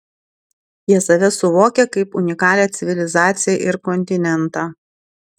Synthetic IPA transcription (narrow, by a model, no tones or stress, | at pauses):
jiɛsɐʋʲɛsʊʋoːkʲɛkɐɪpʊnʲɪkɑːlʲeːt̪sʲɪʋʲɪlʲɪzɑːt̪sʲɪjɛʔɪɾkɔnʲt̪ʲɪnʲɛnt̪ɑː